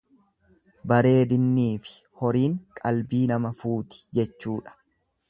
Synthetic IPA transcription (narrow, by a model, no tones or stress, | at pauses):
bɐɾe̞ːd̪ɪnːiːfɪ̥ | hɔɾiːŋkʼɐlbiːnɐmɐfuːt̪ɪ̥d͡ʒɛt͡ʃːuːᶑɐ̥